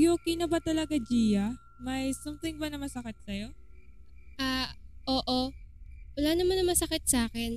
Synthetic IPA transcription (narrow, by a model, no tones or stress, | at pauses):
joːkinɐbɐt̪ɐlɐɡad͡ʒiːjɐ | mɐjsamt̪ɪŋbɐnɐmɐsɐkɪt̪̚sɐjo̞ | ʔaːʔoːʔo̞wɐlaːnɐmanɐmɐsɐkɪt̪̚saːkɛn